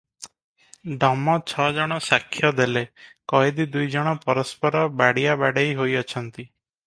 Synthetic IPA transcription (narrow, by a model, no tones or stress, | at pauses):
ɖɔmɔt͡ʃʰɔd͡ʒɔɽ̃ɔsakʰːjɔd̪elekɔjed̪id̪ujd͡ʒɔɽ̃ɔpɔɾɔspɔɾɔbaɽijabaɽejɦojɔt͡ʃʰɔnt̪i